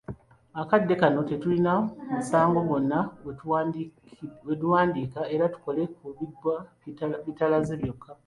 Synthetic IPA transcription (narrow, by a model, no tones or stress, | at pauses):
akadːe̞kano̞te̞tulinaumusaːŋɡo̞ɡo̞nːa | wetuwaːndikae̞ɾatu̥ko̞le̞kuβidwa | βitalazeβjo̞kʰːa